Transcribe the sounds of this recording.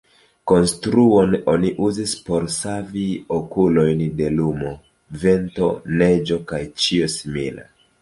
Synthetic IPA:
ko̞nstɾuo̞no̞niʔuzispo̞ɾsaviokulo̞jnde̞lumo̞ | ve̞nto̞̰ne̞d͡ʒo̞kajt͡ʃio̞simila̰

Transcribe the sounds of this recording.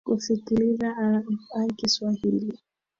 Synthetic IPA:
kufikilizaakiswahili

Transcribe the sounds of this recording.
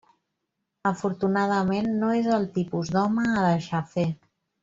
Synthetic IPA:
əfuɾt̪unað̞əmenːoezəlˠt̪ipuzd̪ɔməːðəʃafe

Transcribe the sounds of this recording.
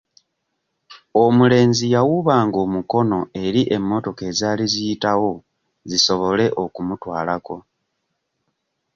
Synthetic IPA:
omule̞ːnzijawuβaːŋɡo̞ːmuko̞no̞e̞ɾiʔe̞mːo̞to̞ke̞zaːlizijitawo̞ | ziso̞βo̞le̞ʔo̞kumutwaːlako̞

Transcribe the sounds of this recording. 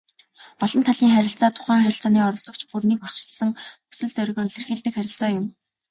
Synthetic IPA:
pɔɮɞ̆nt̪ʰaɮiːŋχæɾʲɪ̆ɬt͡saːt̪ʰʊ̥χæːŋχæɾʲɪ̆ɬt͡saːniːɔɾɞ̆ɮt͡sɞ̆kt͡ɕpurniːkɔr̥t͡ɕ̆ɮsə̆ŋu̥sɘ̆ɮt͡sœɾ̆ɣɘ̆ŋɮ̆rɘ̆xeɮt̪ɘ̆kχæɾʲɪ̆ɬt͡saːjʊm

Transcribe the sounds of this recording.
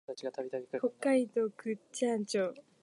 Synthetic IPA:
at͡ɕiɡat̪abʲit̪abʲikhokːaid̪okɯt͡ɕãnt͡ɕoː

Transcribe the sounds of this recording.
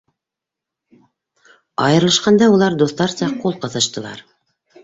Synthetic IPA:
ɑ̰jɤ̆ɾlˠɤ̆ʃqɑnd̪ɑulˠɑɾd̪uθt̪ɑɾsɑqulˠqɤ̆θɤ̆ʃt̪ɤ̆lˠɑ̰ɾ

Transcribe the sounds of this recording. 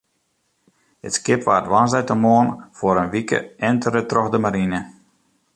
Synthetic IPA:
ə̰tskɪpʋaːrtʋansɛjtəmoːənfoɾənʋikə̰ɛntʰərətrɔxdəmaɾinə

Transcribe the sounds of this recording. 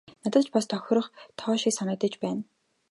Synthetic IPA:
nat̪ə̆t̪t͡ɕpast̪ʰœx̆ʲrə̆χt̪ʰɔːʃiksanə̆kt̪ə̆t͡ɕpæːn

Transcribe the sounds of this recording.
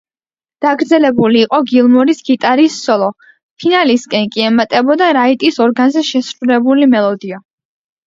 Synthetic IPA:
d̪̥aɡɾd̪zɛlɛbuliːqʼɔɡilˠmɔɾisɡit̪ʼaɾisːɔlˠɔ | pʰinaliskʼɛnkʼiɛmat̪ʼɛbɔd̪aɾait̪ʼisɔɾɡanzɛʃɛsɾulɛbulimɛlˠɔd̪ia

